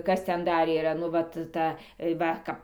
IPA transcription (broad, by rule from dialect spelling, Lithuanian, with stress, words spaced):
ˈkɐs ˈtʲɛn ˈdɐr iːˈrɐ nʊ ˈʋɐt ˈtɐ ˈʋɐ ˈkɐp